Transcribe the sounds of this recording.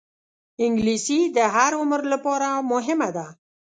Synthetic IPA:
ɪŋɡlisid̪əɦaɾʊməɾlapɑɾamʊɦɪmad̪a

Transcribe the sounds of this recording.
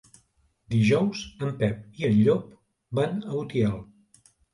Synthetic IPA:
d̪iʒɔwzəmpɛp̚iənʎɔp̚ | banəut̪iɛlˠ

